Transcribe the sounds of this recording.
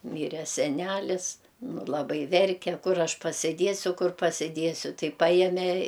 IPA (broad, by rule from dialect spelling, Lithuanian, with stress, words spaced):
ˈmʲiːrʲɛ sʲɛˈnʲælʲɪs ˈnʊ lˠɐˈbɐɪ ˈʋʲɛrʲkʲɛ ˈkʊr ˈɐʃ pɐsʲɪˈdʲiɛsʲʊ ˈkʊr pɐsʲɪˈdʲiɛsʲʊ ˈtɐɪ ˈpɑːjɛmʲeː